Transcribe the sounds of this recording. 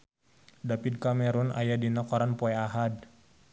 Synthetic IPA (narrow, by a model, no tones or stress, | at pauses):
dapid̚kamɛɾuna̰jadinakɔɾanpɔɛaɦad